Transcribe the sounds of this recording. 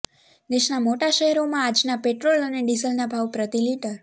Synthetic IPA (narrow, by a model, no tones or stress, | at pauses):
d̪eʃnamoʈaʃəɦɛɾomãad͡ʒnapeʈɾoləneɖizəlnabʱaʋpɾət̪iliʈəɾ